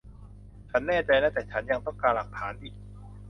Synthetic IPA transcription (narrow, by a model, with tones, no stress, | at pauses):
t͡ɕʰa˦˥nːɛː˥˩t͡ɕa˧jnɛː˥˩t̪ɛː˨˩t͡ɕʰa˦˥nja˧ŋt̪ɔ˥˩ŋkaː˧nla˨˩k̚t̪ʰaː˩˦nʔiː˨˩k̚